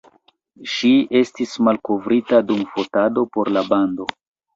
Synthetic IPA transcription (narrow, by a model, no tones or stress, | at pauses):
ʃie̞stismalko̞vɾitadumfo̞tado̞po̞ɾlabando̞